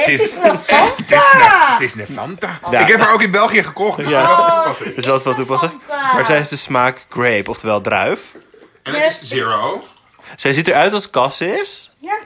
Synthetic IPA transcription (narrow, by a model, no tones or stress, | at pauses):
tɪ | ɪstɪsnəfɑntajaɪkɦɛpaːɹowkɪnbɛlˠχijəχəkɔχtja | tɪsʋɛtʋɔtupɑsəmaːɹsɛjefdəsmaːkɡ̥rejpɔftəʋɛlˠdrœ̰ɥf | ɛziɹo | sɛjzitəɹœɥtɔskɑsɪs